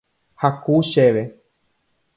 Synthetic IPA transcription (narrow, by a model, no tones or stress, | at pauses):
hakuʃeʋe